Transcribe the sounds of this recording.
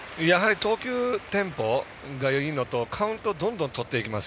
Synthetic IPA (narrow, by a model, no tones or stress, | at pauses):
jaɦaɾʲit̪o̞ːkʲɨːt̪ẽ̞mpo̞ | ɡajoino̞t̪o̞kʰaɯ̟̃nt̪o̞d̪õ̞nd̪õnt̪o̞t̪ːe̞ikʲimasɨ̥